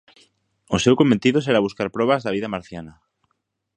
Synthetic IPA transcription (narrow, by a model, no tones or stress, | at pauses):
osewkomẽnt̪iðoseɾaβuskaɾpɾoβazðaβiðamaɾθjana